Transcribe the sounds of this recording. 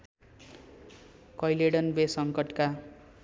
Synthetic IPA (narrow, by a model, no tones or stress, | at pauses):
kʌjleɽʌnbesʌŋkʌʈka